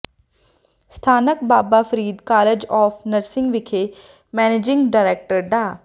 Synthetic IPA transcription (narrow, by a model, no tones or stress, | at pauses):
st̪ʰaːnək̚baːbaːpʰəɾiːd̪kaːled͡ʒɔːfʰnəɾsɪ̃ŋɡʋɪkʰe | mɛːneːd͡ʒɪ̃ŋɡɖaːɾɛːk̚ʈəɾɖaː